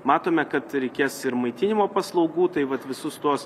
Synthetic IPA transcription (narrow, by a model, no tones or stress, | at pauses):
mɑːt̪oːmʲɛkɐt̪ɾʲɛɪkʲiːsɪɾmɐɪt̪ʲɪnʲɪmoːpɐslˠɒʊɡuːt̪ɐɪʋɐt̪ʋʲɪsʊst̪uɔs